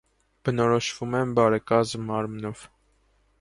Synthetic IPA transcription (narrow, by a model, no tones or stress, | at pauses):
b̥ənɔɾɔʃvumɛmbɑɾɛkɑzmːɑɾmnɔv̥